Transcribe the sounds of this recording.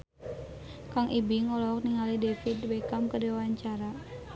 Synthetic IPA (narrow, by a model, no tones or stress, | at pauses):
kaŋʔibiŋɔlɔɔk̚niŋalidefit̪bekamkədewaɲt͡ʃaɾa